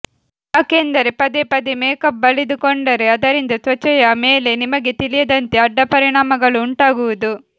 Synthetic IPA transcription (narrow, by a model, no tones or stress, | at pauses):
ake̞ːnd̪ɐɾepɐd̪epɐd̪imeːkɐb̚ːɐlid̪ukɔɳɖɐɾeɐd̪ɐɾind̪ɐsʋɐt͡ʃːɐjɐmeːle̞nimɐɡet̪ilijɐd̪ɐnt̪eɐɖːɐpɐɾiɳaːmɐɡɐɭuːɳʈaːɡuʋud̪u